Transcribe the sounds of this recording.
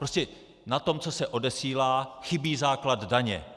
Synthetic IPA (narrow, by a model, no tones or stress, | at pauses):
pɾoscɛ | nat̪o̞mt͡so̞sɛʔo̞dɛsiːlaːxɪbiːzaːklad̪ːaɲɛ̰